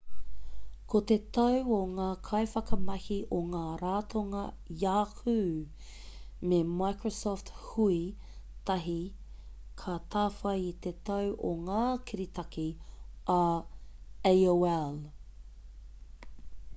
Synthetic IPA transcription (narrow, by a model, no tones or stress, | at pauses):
kʰot̪et̪ɐwoŋaːkʰɐjfɐkɐmɐhiʔoŋaːɾaːtʰoŋɐ | jaːhʉː | memajkɹosɔːft̪hui | t̪ɐɦi | kʰat̪ʰaːfɐjit̪et̪ɐwʔoŋaːkʰiɾit̪ɐki | ɐ | ejoɛl